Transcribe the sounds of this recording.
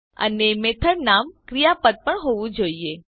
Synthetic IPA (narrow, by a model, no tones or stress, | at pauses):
ə̰nemet̪ʰəɾnamkɾijapəd̪̚pəɳɦoʋũd͡ʒoie